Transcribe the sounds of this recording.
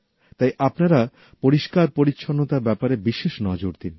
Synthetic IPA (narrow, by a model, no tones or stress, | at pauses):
t̪ajʔapnaɾa | poɾiʃkaɾpoɾitːʃʰonːot̪aɾbɛpaɾebiʃeʃnɔd͡ʑoɾd̪in